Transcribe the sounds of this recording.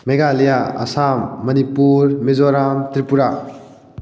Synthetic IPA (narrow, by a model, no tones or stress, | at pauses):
meɡalijaɐ̰samːɐnipuɾmezoɾamtɾipuɾa